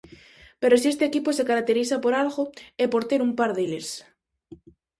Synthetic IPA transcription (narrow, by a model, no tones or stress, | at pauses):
peɾosie̞st̪eːkiposekaɾak̚t̪eɾiθapoɾalɣoepoɾt̪eɾumpaɾðeles